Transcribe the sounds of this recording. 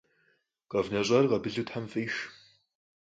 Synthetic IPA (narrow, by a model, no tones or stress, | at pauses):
qʼɐvnɐɕʼɐrʁɐbɨɮutħamfiːʃ